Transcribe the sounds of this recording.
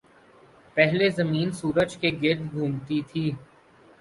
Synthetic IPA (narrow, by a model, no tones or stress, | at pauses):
pɛɦlezɐmiːnsuːɾəd͡ʒkeɡɪɾd̪ɡʱũːmt̪it̪ʰiː